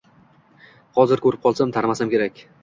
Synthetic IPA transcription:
hɒzɪɾkɵɾɪp̚qʰɒlˠsamt̪ʰaɾmasamkʲe̞ɾakʲ

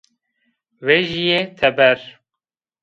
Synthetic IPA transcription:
veʒijet̪ʰɛbɛɾ

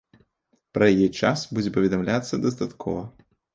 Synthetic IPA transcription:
pɾɐjjɛt͡ʂasbud͡zʲɛpɐvʲɛd̪ɐmlʲat̪sːɐd̪ɐst̪at̪kʰɔ̰vɐ

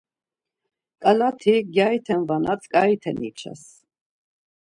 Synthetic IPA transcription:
kʼalat̪ʰiɡʲjajt̪ʰɛnvanat͡sʰʼkʼait̪ʰɛnit͡ʃʰa̰s

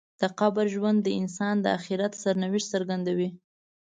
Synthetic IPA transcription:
d̪̥əqɑbəɾʒwand̪ːəɪnsɑnd̪əaxiɾat̪saɾnawɪʃsəɾɡand̪awi

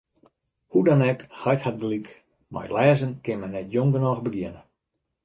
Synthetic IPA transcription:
hudɔnɛkhajthat̚dəlik | mʔa̰jlɛːzənkɪnmɛnnɛtjoŋɡənɔɣbəɡjɪənə

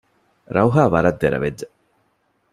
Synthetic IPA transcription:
ɾɐuɦaːʋɐɾɐd̪ːeɾɐ̰ʋedːe

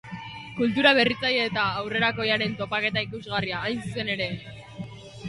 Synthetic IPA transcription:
kult̪uɾaβ̞e̞rit͡sajeːt̪aːwre̞ɾako̞jaɾe̞nt̪o̞pake̞t̪aikuzɣariaːjnsuse̞ne̞ɾe̞

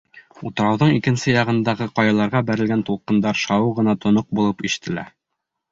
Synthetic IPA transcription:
ut̪ɤ̆ɾɑwðɤɴikɘ̆nsɘjɑʁɤ̆nd̪ɑʁɤqɑjɑlˠɑɾʁɑbæɾɘ̆lɡænt̪ulˠqɤ̆nd̪ɑɾʃɑwɤʁɤ̆nɑt̪ŏnoq̚bulˠɤpiʃɘ̥̆t̪ʰɘ̆læ̰

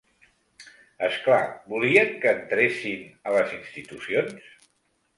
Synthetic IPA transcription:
əsklabuliəŋkəːnt̪ɾesinələzinst̪it̪usions

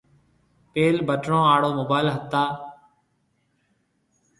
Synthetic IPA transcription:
peːlbəʈɳõːaːɽoːmoːbaːɪlɦət̪ːaː

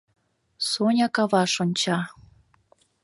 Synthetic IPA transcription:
sonʲɑkɑβɑʃonʲt͡ɕɑ

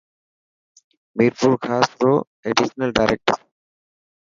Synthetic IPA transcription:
miɾpuɾkʰasɾo | eɖiʃonalɖajɾek̚ʈoɾ

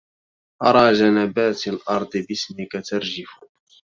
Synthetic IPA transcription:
ʔɑɾˤɑːʒanabaːt̪alʔɑɾˤd̪ˤɨbɪsmɪkat̪aɾˤʒɪfʊ

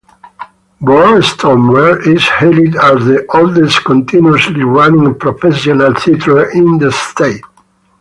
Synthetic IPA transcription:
bɔɹst̪ʰɔ̃mwɛɹizhelid̪æzðiʔɔld̪ɛskɔ̃nt̪ʰĩnjuəsliwanĩŋpɾɔfɛsɔnalsit̪ʰəĩnd̪əst̪et̪̚

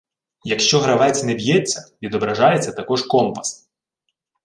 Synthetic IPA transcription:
jɐkʃt͡ʃɔɦɾɐʋɛt͡sʲnɛbʲjɛt͡sʲːɐʋʲid̪ɔbɾɐʒɑjet͡sʲːɐt̪ɐkɔʒkɔmpɐ̥s

